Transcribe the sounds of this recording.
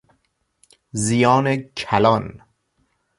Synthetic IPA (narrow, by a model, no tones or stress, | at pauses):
zijɒːnecʰælɒːn